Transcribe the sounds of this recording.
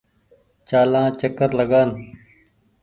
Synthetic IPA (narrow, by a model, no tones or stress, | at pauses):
t͡ʃaːlãːt͡ʃəkəɾləɡaːn